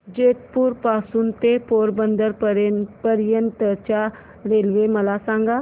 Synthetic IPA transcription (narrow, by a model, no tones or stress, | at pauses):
d͡ʒeːt̪puɾpaːsunt̪epoːɾbə̃nd̪əɾpəɾjənt̪ət͡ʃa | ɾeːlʋemɐlaːsãːŋɡaː